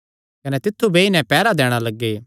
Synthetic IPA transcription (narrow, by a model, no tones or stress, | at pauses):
kɐnɛt̪ɪt̪ʰːubʱeːinɛ̃pɛːɾad̪ɛːɽ̃alɐɡːeː